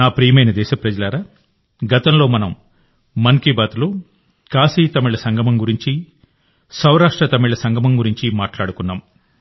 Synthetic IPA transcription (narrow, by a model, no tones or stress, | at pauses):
naːpɾiːjɐmɐjnɐd̪ɛːʃɐpɾɐd͡ʒɐlaːɾaː | ɡɐt̪ɐmlo̞ːmɐnɐmː | ɐnkibaːt̪ulu | kaːsiːt̪ɐmiɭɐsɐŋɡʱɐmɐmɡuɾiɲt͡ʃi | sɐwɾaːʂʈɾɐt̪ɐmiɭɐsɐŋɡʱɐmɐmɡuɾiɲt͡ʃimaːʈlaːɽukunːaːm